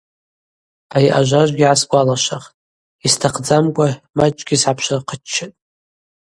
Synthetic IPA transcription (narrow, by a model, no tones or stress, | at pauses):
ajʔa̰ʒʷaʒʷɡʲiʕasɡʷalaʃaχtʼ | istʰaqʰd͡zamkʷʼamat͡ʃʼɡʲisʕapʰʃaqʰət͡ʃʰːatʼ